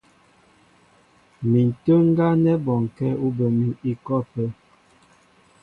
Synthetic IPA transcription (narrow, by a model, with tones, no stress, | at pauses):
mi˨n̩˨tə˦ŋ̩˦ɡa˦nɛ˦bɔ˨ŋ˨kɛ˦u˦bə˨mi˦i˦kɔ˦˨pə˦